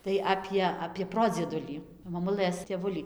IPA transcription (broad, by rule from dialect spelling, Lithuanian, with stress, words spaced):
tɐɪ ˈɑːpʲiɛ ɐpʲiɛ ˈproːd͡zʲiɛdʊlʲiː mɐˈmʊlˠɘs tʲeːˈʋʊlʲiː